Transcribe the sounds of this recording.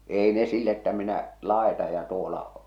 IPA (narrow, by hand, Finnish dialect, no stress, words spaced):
eˑi ne silː etːæ minæ lɑˑetɑ jɑ tuolɑ